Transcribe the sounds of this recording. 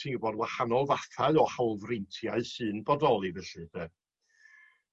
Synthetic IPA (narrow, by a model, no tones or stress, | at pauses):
iŋɡbɔdwahanɔlˠvaθaɨɔhalˠvrɪntʰjaɨsɨːnbɔdɔlˠivəɬɨdɛ